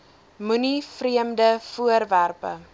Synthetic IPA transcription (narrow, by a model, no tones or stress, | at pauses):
munifriəmdəfuərværpə̰